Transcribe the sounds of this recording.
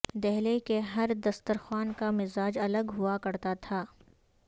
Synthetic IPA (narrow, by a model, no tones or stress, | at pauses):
d̪ɛɦlekeɦɐɾd̪ɐst̪əɾxwaːnkamɪzaːd͡ʒɐləɡɦʊakɐɾt̪at̪ʰaː